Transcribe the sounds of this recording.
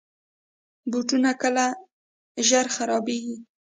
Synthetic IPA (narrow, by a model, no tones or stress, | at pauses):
buʈunakəla | ʒaɾxaɾɑbeɡi